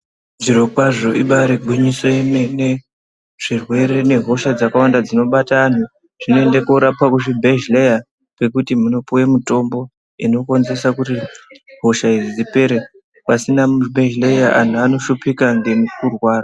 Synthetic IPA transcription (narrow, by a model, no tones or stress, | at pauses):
ʐiɾo̞kwaʐo̞ʔiɓaɾeɡʱwiɲisoemene | ʐ̥irwe̞ɾe̞ne̞ɦo̞ʃad͡zakawandad͡zino̞ɓataːn̤u | ʐ̥inoende̞kuɾapwakuʐibʱeʒleja | pe̞kutimuno̞puwemuto̞mbo̞ | ino̞ko̞nze̞sakutiɦo̞ʃaizid͡zipe̞ɾe | pasinamuʐbʱeʒlejaʔan̤uano̞ʃupikaŋɡe̞mukurwaːra